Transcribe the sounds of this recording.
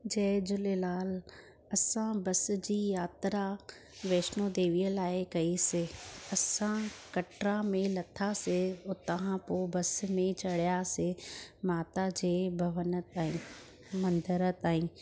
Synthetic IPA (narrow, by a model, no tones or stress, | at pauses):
d͡ʑɛːd͡ʑʊlelaːl | ɐsãbɐs̆d͡ʑiːjaːt̪ɾa | ʋeːʃnod̪eːʋijəlaːɪkɐisɪɐsãkɐʈɾamẽlɐt̪ʰaseʊt̪əɦãpobɐsmẽt͡ɕɐɽjasɪmaːt̪ad͡ʑeːbʱɐʋənət̪aːɦĩ | mɐ̃nd̪əɾət̪aːɦĩː